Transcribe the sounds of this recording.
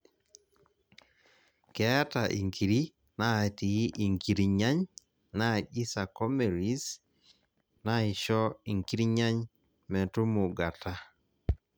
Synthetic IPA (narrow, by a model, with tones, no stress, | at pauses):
ka˦a˦ta˨ʔḭ˨ŋkʰi˨ɾi˦ | na˦˨ti˨i˦ʔi˨ŋki˨ɾi˨ɲa˦ɲ | na˦˨ʄi˦sa˨kɔ˦me˨ɾi˦s | na˦ɪ˨ʃɔ˦i˨ŋki˦ɾi˦ɲa˦ɲ | mɛ˨tu˦mu˨ɡa˨ta˦